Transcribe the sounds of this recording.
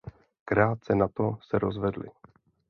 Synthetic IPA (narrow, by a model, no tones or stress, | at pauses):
kɾaːt̪̚sɛnat̪o̞sɛɾozvɛdlɪ̰